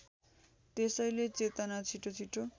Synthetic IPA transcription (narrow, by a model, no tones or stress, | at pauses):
t̪esʌjlet͡set̪anat͡sʰiʈʰot͡sʰiʈʰo